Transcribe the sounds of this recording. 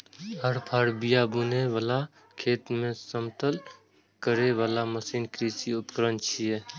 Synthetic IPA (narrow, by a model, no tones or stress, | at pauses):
ɦəɾpʰaːɾbijabuneʋaːla | kʰeːt̪mẽsəmt̪əl | kəɾeʋaːlaməsiːnkɾiːsiʊpkəɾənt͡ʃʰie